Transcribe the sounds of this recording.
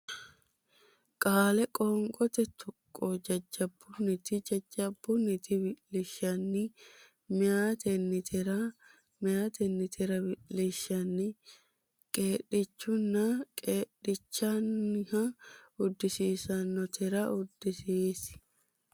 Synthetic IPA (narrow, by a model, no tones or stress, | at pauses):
kʼaːlɛkʼɔːŋkʼɔt̪ɛt̪ʰɔkʼːoːd͡ʒɐd͡ʒːɐbːʊnɪt̪ɪd͡ʒɐd͡ʒːɐbːʊnɪt̪ɪbɪlɪʃɐnːɪ | mɪjaːt̪ʰɛnːɪt̪ʰɪɾɐ | mɪaːt̪ʰɛnːɪt̪ʰɪɾɐbɪlɪʃːɐnːɪ | kʼeːɗɪt͡ʃːʊnːɐkʼeːɗɪt͡ʃːɐnːɪhɐʊd̪ːɪsiːsɐnːɔt̪ʰɪɾɐʊd̪ːɪsiːsɪ̥